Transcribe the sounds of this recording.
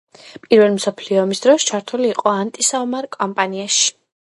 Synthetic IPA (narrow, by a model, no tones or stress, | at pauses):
pʼiɾvɛlˠimsɔpʰliɔːmisd̪ɾɔst͡ʃʰaɾt̪ʰuliːqʼɔant̪ʼisaɔmaɾkʼɔmpʼaniaʃi̥